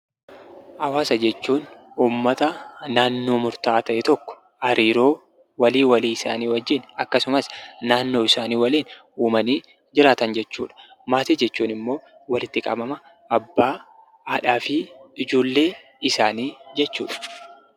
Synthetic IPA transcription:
hɐwaːsɐd͡ʒɛt͡ʃːuːnuːmːɐt̪ɐnaːnːo̞ːmʊɾt̪aːt̪ɐʔɛt̪ɔkːɔ̥ | ʔɐɾiːɾo̞ː | wɐliːwɐliːɪsa̰ːniːwɐd͡ʒːɪnɐkːɐsʊmɐsnaːnːo̞ːɪsaːniːwɐliːn | uːmɐniː | d͡ʒɪɾaːt̪ɐnd͡ʒɛt͡ʃːṵːᶑɐ̥ | maːt̪iːd͡ʒɛt͡ʃːuːnɪmːo̞ː | wɐlɪt̪ːɪkʼɐ̰bɐmɐ | ʔɐbːaː | aːᶑaːfɪɪd͡ʒuːlːe̞ː | ɪsaːniːd͡ʒɛt͡ʃːṵːᶑɐ̥

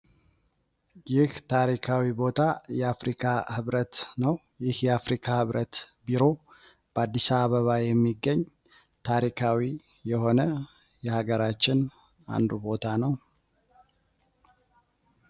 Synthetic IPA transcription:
jɪht̪ʰaɾikʰawibo̞t̪ʰajɛafɾikʰahɨβɾət̪nəw | jɪhjɛafɾikʰahɨβɾʔət̪biɾo̞ | b̥əad̪ːisaβəβajɛmːiɡːəɲː | t̪ʰaɾikʰawi | jɛho̞nə | jɛhaɡəɾat͡ʃːɪn | a̰nd̪ubo̞t̪ʰanəw

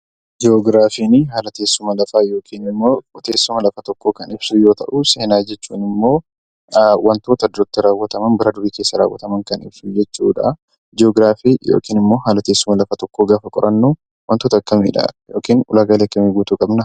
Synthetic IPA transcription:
d͡ʒɪoɡɾaːfiːnɪɦaːlɐt̪e̞ːsːʊmɐlɐfaːjo̞ːkʰiːnɪmːoːkɔt̪e̞ːsːʊmɐlɐfɐt̪ɔkːo̞ːkɐnɪb̥sujo̞ːt̪ɐ̰ʔʊse̞ːnaːd͡ʒɛt͡ʃːuːnɪmːo̞ː | wʔɐnt̪o̞ːt̪ɐd̪ɾt̪ːɪɾaːwːɐt̪ɐmɐnbɐɾɐd̪ʊɾiːke̞ːsːɐɾa̰ːwːɐ̰t̪ɐmɐŋkɐnɪ̰b̥sud͡ʒɛt͡ʃːuːᶑɐ | d͡ʒɪoːɡɾaːfiːjo̰ːkʼiːnɪmːo̞ːɦaːlɐt̪eːsːʊmɐlɐfɐt̪ɔkːoːɡaːfɐkʼɔɾʔɐnːu | wɐnt̪oːt̪ɐkːɐmḭːᶑɐ̰jo̰ːkiːnʊlaːɡaːleɐkːɐmeɡuːt̪ukʼɐbnɐ

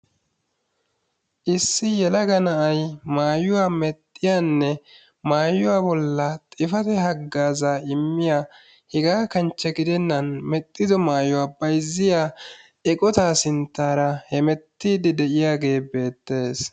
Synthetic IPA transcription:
ʔɪsːɪjɛlɐɡɐnɐʔɐjmaːjʊwaːmɛt̪ʼːɪjanːɛ | maːjʊwaːbɔlːɐt̪ʼɪfɐt̪ɛɦɐɡːaːzaːɪmːɪja | hɪɡaːkɐnt͡ʃːɛɡɪd̪ɛnːɐnmɛt̪ʼːɪd̪ɔmaːjʊwaːbɐjzːɪjaː | ɛkʼɔt̪aːsɪnt̪ːaːɾɐhɛmɛt̪ːiːd̪ɪd̪ɛʔɪjaːɡe̞ːbe̞ːt̪ːe̞ːs

